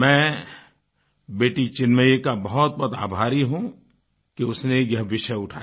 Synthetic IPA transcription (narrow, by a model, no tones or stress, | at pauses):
mɛ̃ː | beːʈit͡ʃɪnməjekabɐɦɔt̪̚bɔt̪a̰ːbʱaːɾiɦũ | kiʊsnejɐɦʋɪʃəʊʈʰa̰ːj